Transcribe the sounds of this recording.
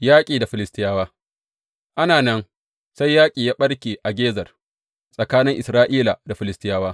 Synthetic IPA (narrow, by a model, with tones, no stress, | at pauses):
jaː˦kʲʼiː˨da˨ɸɪ˨lɪ˦stɪ˦jaː˦waː˦ | ʔa˦naː˨nɐ˦n | sa˦jːaː˦kʲʼiː˨jaː˦ɓɐ˦ɽkʲeː˨ʔa˨ɡʲeː˦zɐ˨r | sʼɐ˨kaː˦nɪ˦ŋʔɪ˨sɾaː˦ʔiː˦la˨da˨ɸɪ˨lɪ˦stɪ˦jaː˦waː˦